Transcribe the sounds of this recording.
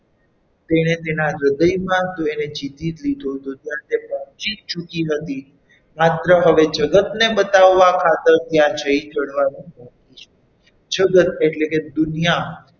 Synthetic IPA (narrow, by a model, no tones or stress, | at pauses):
t̪eñet̪enaɾəd̪əjmãt̪oened͡ʒit̪it̪lid̪ʱot̪ot̪jãt̪epɔ̃ɦt͡ʃit̪̚t͡ʃukiɦət̪i | mat̪ɾəɦəʋed͡ʒəɡət̪nebət̪aʋːakʰat̪əɾt̪jãd͡ʒəid͡ʒəɽʋanĩpɔ̃kit͡ʃʰe | d͡ʒəɡət̪eʈleked̪ʊnija